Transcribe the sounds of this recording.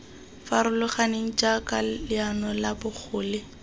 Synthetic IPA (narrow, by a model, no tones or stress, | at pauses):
faɾʊlʊχaneŋ̩t͡ʃʼakʼalɪanɔlabʊk͡xʰʊːlɪ